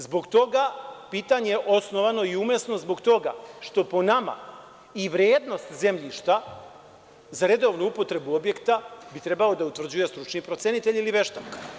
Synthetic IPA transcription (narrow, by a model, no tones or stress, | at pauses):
zbo̞ɡt̪o̞ɡapiːt̪aɲejeʔo̞sno̞ʋano̞iumjesno̞zbo̞ɡt̪o̞ɡa̰ʃt̪o̞po̞nama̰ | iʋɾjeːd̪no̞st̪ze̞mʎiʃt̪a | zaɾe̞d̪o̞ʋnuupo̞t̪ɾe̞buo̞bje̞kt̪abit̪ɾe̞balo̞d̪aut̪ʋr̩d͡ʑuje̞st̪ɾut͡ʃnipɾo̞t̪sjenit̪e̞ʎiliʋe̞ʃt̪ak